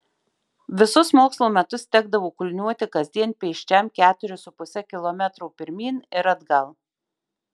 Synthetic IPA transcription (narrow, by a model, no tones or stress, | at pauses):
ʋʲɪsʊsmoːkslˠoːmʲɛt̪ʊst̪ʲɛɡ̚d̪ɐʋoːkʊlʲnʲuɔt̪ʲɪkɐzʲd̪ʲiɛnʲpʲiɛʃʲt͡ʃʲɛmkʲæːt̪ʊɾʲʊsʊpʊsʲɛkʲɪlˠomʲɛt̪ɾuːpʲɪɾʲmʲiːnɪɾɐd̪ɡɐlˠ